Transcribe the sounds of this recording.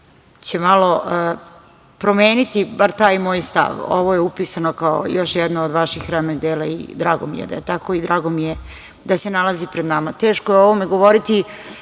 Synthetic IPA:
t͡ɕemalo̞ʔə | pɾo̞meːnit̪ibaɾt̪aːjmo̞ːjst̪a̰ʋo̰ʋojeupisanokao̰jo̞ʃjɛd̪nood̪ʋaʃixːɾamnoɡd̪eːlaḭd̪ɾaːɡo̰mḭjḛd̪a̰jet̪ako̞id̪ɾaːɡomije | d̪asenalazipɾed̪namat̪eːʃkojeoʋomeɡo̞ʋoɾit̪i

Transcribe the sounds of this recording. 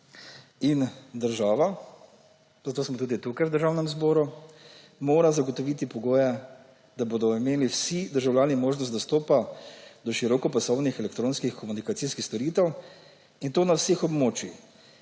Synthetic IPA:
ind̪əɾʒaːʋa | zat̪oːsmɔt̪uːd̪it̪ukajwd̪əɾʒaːwnɛmzboːɾu | moːɾazaɡɔt̪ɔʋiːt̪ipɔɡoːjɛ | d̪aboːd̪ɔimeːliwsid̪əɾʒawljaːnimoːʒnɔst̪d̪ɔst̪oːpad̪ɔʃiɾɔkɔpasɔwnixɛlɛk̚t̪ɾoːnskixkɔmunikat̪siskixst̪ɔɾiːt̪ɛw | int̪oːnawsexɔbmoːt͡ʃi

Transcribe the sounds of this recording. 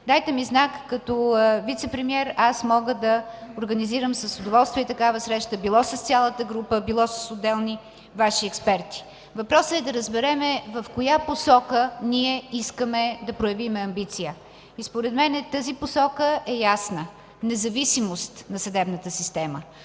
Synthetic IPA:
d̪ajt̪ɛmiznakːɐt̪ɔvit̪sɛpɾɛmiɛɾasmɔɡəd̪ɐoɾɡəniziɾəmsəsod̪ovɔlˠst̪viəit̪ɐkavəsɾɛʃt̪əbilˠɔsəst̪sʲalˠət̪əɡɾupəbilˠɔsəsod̪ɛlˠni | vaʃiɛkspɛɾt̪i̥ | vɐpɾɔsəɛd̪ɐɾəzbɛɾɛmɛvɐfkojaposɔkəniɛiskəmɛd̪ɐpɾojɐvimɛɐmbit̪sijə | ispoɾɛd̪mɛnɛt̪əziposɔkəʔɛjasnə | nɛzɐvisimost̪nɐsɐd̪ɛbnət̪əsist̪ɛmə̰

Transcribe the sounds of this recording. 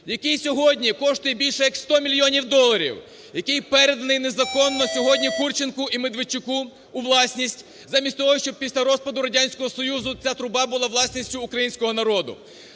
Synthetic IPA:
jɐkɪjsʲɔɦɔdʲnʲikɔʃt̪ʊjɛbʲilʲʃɛjɐkst̪ɔmʲilʲjɔnʲiwd̪ɔlˠːɐɾʲḭw | jɐkɪjpɛɾed̪ɐnɪjnezɐkɔnːɔsʲɔɦɔdʲnʲikurt͡ʃenkʊimed̪ʋɪt͡ʃʊkuː | ʋlˠɑsʲnʲisʲtʲ | zamʲisʲtʲt̪ɔɦɔʃt͡ʃɔb̚pʲisʲlʲɐɾɔspɐd̪ʊɾɐdʲanʲsʲkɔɦɔsɔjuzʊt͡sʲat̪ɾʊbɑbʊlˠɑʋlˠɑsʲnʲisʲtʲʊːkɾɐjinʲsʲkɔɦɔnɐɾɔd̪ʊ̰

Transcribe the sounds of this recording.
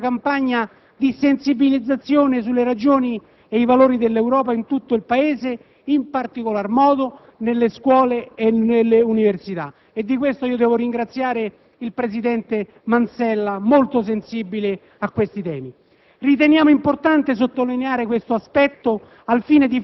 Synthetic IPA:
kampaɲːa | d̪isensibilid̪zat̪sːjoːnesulːeɾad͡ʒoːni | eivaloːɾid̪elːɛwɾɔːp̬aint̪ut̪ːoilpaeːze | impart̪ikolarmɔːd̪o | nelːeskwɔːleːnelːeuniversit̪a̰ | ed̪ːikwest̪oiːod̪ɛːvoɾiŋɡɾat̪sːjaːɾe | ilpɾesid̪ɛnt̪e | mansɛlːamolt̪os̬ensibile | akːwest̪it̪ɛːmi | rit̪enjaːmoimport̪ant̪es̬ot̪ːolineaːɾekwest̪oaspɛt̪ːo | alfiːned̪i

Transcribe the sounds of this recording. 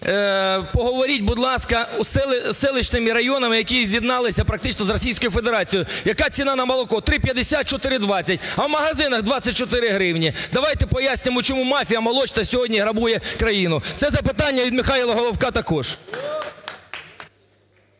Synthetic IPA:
pɔɦɔʋɔɾʲit̚ʲbʊd̪lˠɑskɐusɛsɛlˠɪt͡ʃnɪmɪɾɐjɔnɐmɪjɐkʲizʲjid̪nɑlˠɪsʲɐpɾɐk̚t̪ɪt͡ʃnɔzrɔsʲijsʲkɔjʊfed̪eɾɑt͡sʲijʊjɐkɑt͡sʲinɑnɐmɐlˠɔkɔt̪ɾɪpʲjɐd̪esʲat̪̚t͡ʃɔt̪ɪɾɪd̪ʋɑt͡sʲːɐtʲɐwmɐɦɐzɪnɐɣd̪ʋɑt͡sʲːɐt̚ʲt͡ʃɔt̪ɪɾɪɦɾɪwnʲid̪ɐʋɑjt̪ɛpɔjasʲnʲɪmɔt͡ʃɔmumɑfʲijɐmɐlˠɔt͡ʃt̪ɐsʲɔɦɔdʲnʲiɦɾɐbujɛkɾɐjinʊt̪sɛzɐpɪt̪ɑnʲːɐʋʲid̪mɪxɑjilˠɐɦɔlˠɔwkɑt̪ɐkɔʒ̥

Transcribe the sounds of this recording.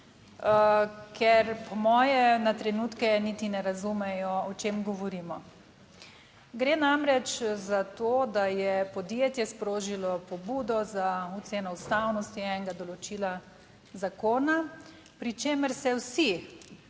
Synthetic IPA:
kʰɛɾpɔmɔːjɛnat̪ɾɛnuːt̪kɛnit̪inɛɾazumɛjɔɔt͡ʃeːmɡɔʋɔɾiːmɔ | ɡɾeːnamɾɛt͡ʃzat̪oːd̪ajɛpɔd̪jeːt̪jɛspɾoːʒilɔpɔbuːd̪ɔzaut̪seːnɔust̪awnɔst̪iɛŋɡad̪ɔlɔt͡ʃiːla | zakoːna | pɾit͡ʃeːməɾsɛwsi

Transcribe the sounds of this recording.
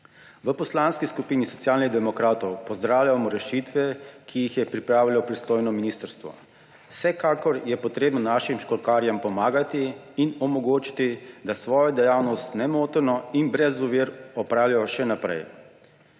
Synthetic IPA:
ʋəpɔslaːnskiskupiːnisɔt̪sjaːlniɣd̪ɛmɔkɾaːt̪ɔwpɔzd̪ɾaːwlʲjamɔɾɛʃit̪ʋɛkʰijixjɛpɾipɾaːʋilɔpɾist̪oːjnɔminiːst̪əɾst̪ʋɔ̰ | sɛkaːkɔɾjɛpɔt̪ɾeːbnɔnaʃimʃkɔlkaːɾjampɔmaːɡat̪iː | nɔmɔɡoːt͡ʃi̥t̪id̪asʋɔːjɔd̪ɛjaːwnɔst̪nɛmoːt̪ɔɾnɔinbɾɛzuʋiːɾɔpɾaːwlijɔʃɛnapɾɛ̰j

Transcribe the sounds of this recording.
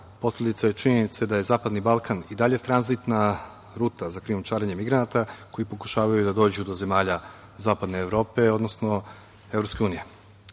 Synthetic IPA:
po̞slʎʲe̞d̪it̪saje̞t͡ʃiɲenit̪sed̪aje̞zaːpad̪nibalˠkanid̪aʎe̞t̪ɾanzit̪na | ɾuːt̪azakɾiumt͡ʃaːɾeɲe̞miɡɾanat̪ako̞jipo̞ku̥ʃaːʋajud̪ad̪o̞ːd͡ʑud̪o̞ze̞maːʎa | zaːpad̪ne̞ːʋɾo̞ːpe̞o̞d̪no̞sno̞ | evɾopskʲe̞uːnije̞

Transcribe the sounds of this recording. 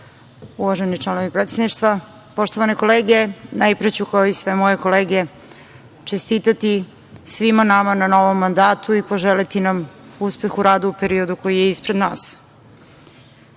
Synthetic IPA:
uʋaʒenit͡ʃlˠanoʋipɾet̪sed̪niʃt̪ʋa | po̞ʃt̪oʋaneko̞leːɡenajpɾet͡ɕukaoisʋemo̞je̞ko̞leːɡe | t͡ʃest̪it̪at̪i | sʋimanamanano̞ʋomːand̪aːt̪ʰuipo̞ʒelit̪inamuspe̞xuɾaːd̪uupeɾiod̪ukojijeispɾed̪na̰ːs

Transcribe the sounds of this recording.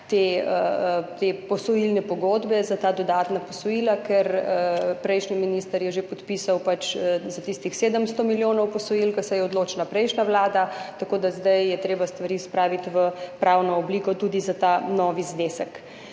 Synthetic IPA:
t̪eət̪epɔsɔjilnɛpɔɡoːd̪bɛzat̪aːd̪ɔd̪aːt̪napɔsɔjiːlakɛɾəpɾɛjʃniminiːst̪əɾjɛʒepɔt̪piːsawpat͡ʃzat̪ist̪ixseːd̪əmst̪ɔmiljoːnɔwpɔsɔjilkasɛjɛɔd̪loːt͡ʃnapɾɛjʃnaʋlaːd̪at̪akoːd̪azd̪ajːɛt̪ɾeːbast̪ʋaɾiːspɾaːʋit̪ʋəpɾawnɔːbliːkɔt̪ud̪izat̪anɔʋizneːsək

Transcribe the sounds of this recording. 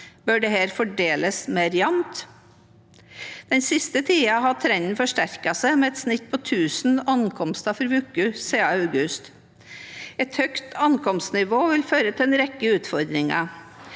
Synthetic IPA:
bœɖɛɦæːɾfɔɖeːləsmeɾɪɑnt̪ | d̪̥ɛnsɪst̪ət̪ʰiːɑɦɑt̪ʰɾɛnn̩fɔʂʈæɾkɑsæɪmɛɛt̪snɪt̪̚ːpʰɔt̪ʰʉːsn̩ɑnkʰɔmst̪ɑfɔɾʋʉkːʉseːɑœɡʉst̪ | ɛt̪hœkt̪ʰɑnkʰɔmst̪nɪʋoːʋɪlføːɾət̪ʰɪlɛnɾɛkːəʉːt̪fɔɾd̪ɾɪŋɑ̰

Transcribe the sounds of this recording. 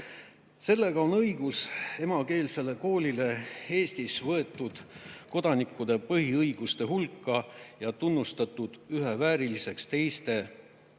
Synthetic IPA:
se̞lːe̞ɡ̥ɑo̞nɤjɡ̥use̞mɑke̞ːlse̞le̞ko̞ːlʲile̞e̞ːst̪isvɤe̞t̪ːˑud̪̥ko̞d̪ɑnikːˑud̪e̞pɤɦiɤjɡ̥ust̪e̞ɦulkːˑɑjɑt̪unːust̪ɑt̪ːˑud̪̥yɦevæːɾilise̞kst̪e̞jst̪e̞

